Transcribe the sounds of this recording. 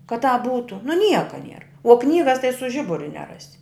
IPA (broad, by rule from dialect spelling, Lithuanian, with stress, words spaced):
kɐ tɑːp ˈbuːtʊ nʊ ˈnʲiɛkoː nʲiɛr oː ˈknʲiːɡɐs tɐɪ sʊ ˈʒʲɪbʊrʲʊ nʲɛˈrɑːsʲɪ